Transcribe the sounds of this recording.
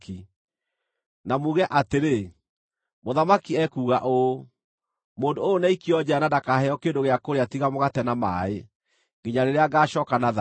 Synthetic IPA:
ki | namuːɣɛʔateɾe | moðamakiɛkuːɣaʔo | moːndoonɛikiɔd͡ʑɛanadakahɛɔkeːndoɣeakoɾeatiɣamoɣatɛnama̰e | ŋɡeɲaɾeɾeaɡaːɕɔːkanaða

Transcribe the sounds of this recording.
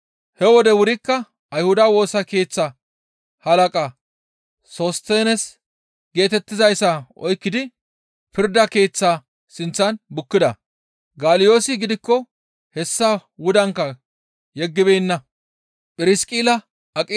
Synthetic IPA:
hɛwɔd̪ɛwʊɾɪkːɐ | ɐjhʊd̪ɐwo̞ːsɐke̞ːt͡sːɐ | hɐlɐkʼɐ | soːst̪eːnɛs | ɡe̞ːt̪ɛt̪ːɪzɐjsɐʔɔjkːɪd̪ɪ | pɪɾd̪ɐke̞ːt͡sːaː | sɪnt͡sːɐnbʊkːɪd̪ɐ̰ | ɡaːlɪjo̞ːsɪɡɪd̪ɪkːɔ | hɛsːɐwʊd̪ɐŋkːɐ | jɛɡːɪbejnːɐ | pʼɪɾɪskʼiːlɐ | ɐkʼɪ

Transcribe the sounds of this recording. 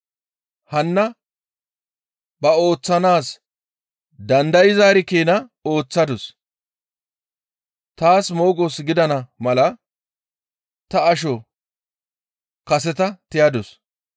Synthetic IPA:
hɐnːɐ | bɐo̞ːt͡sːɐnaːs | d̪ɐnd̪ɐjɪzaːɾɪkeːnɐo̞ːt͡sːɐd̪ʊs | t̪aːsmo̞ːɡɔsɡɪd̪ɐnɐmɐlɐ | t̪ɐːʃ̬ɔ | kɐsɛt̪ɐt̪ɪjɐd̪ɔs

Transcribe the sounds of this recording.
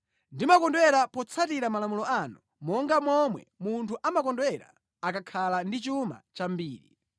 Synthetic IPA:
ndimakɔndwɛɾapɔt͡sʰatiɾamalamulɔanu | mɔŋɡamɔmwɛ̰muntʰuʔamakɔndwɛɾa̰ː | kakʰalandit͡ʃuma̰t͡ʃambiːɾḭ

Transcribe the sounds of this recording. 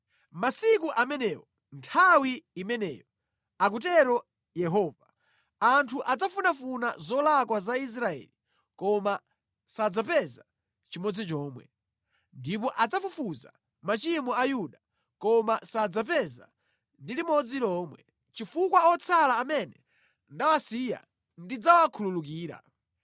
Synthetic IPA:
masikuʔamɛnɛːwɔ | ntʰawiːmɛnɛ̰ːjɔ | ak̬utɛɾɔ | jɛɦɔːva | antʰuʔad͡zafunafuna̰zɔlakwazais̬ɾaɛ̰ːli | kɔma | sad͡zapɛza | t͡ʃimɔd͡zit͡ʃɔːmwɛ̰ | ndip̬ɔʔad͡zafufuza̰ | mat͡ʃimuajuɗa | kɔmasad͡zapɛza̰ | ndilimɔd͡zilɔːmwɛ̰ | t͡ʃifukwaɔt͡sʰalaːmɛnɛ | ndawasija̰ | ndid͡zawakʰululuk̬iːɾa̰

